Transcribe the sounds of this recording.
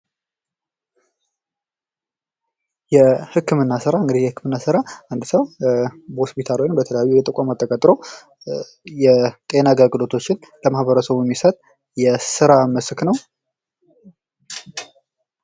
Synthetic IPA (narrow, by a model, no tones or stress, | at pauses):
jɛhɨkːɨmɨnːasɨɾaɨŋɡɨd̪ihjɛhɨkʰːɨmɨnːasɨɾaʔand̪səwbəhospʰit̪ʰalojbət̪ʰələjajːujɛt̪ʼəkʷʼamat̪ʰːəkʼət̪ʼɾo̞ | jɛt̪ʼe̞naɡəɡɨlo̞t̪ʰo̞t͡ʃːɪnləmahbəɾəsəβujɛmːisət̪ʼ | jɛsɨɾaməsknəw